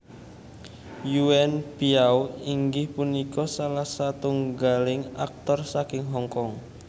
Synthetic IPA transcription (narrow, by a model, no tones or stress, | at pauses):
juɛnpiawiŋɡɪhpunikɔsalahsat̪uŋɡalɪŋa̰k̚t̪ɔrsakɪŋɦɔŋkɔŋ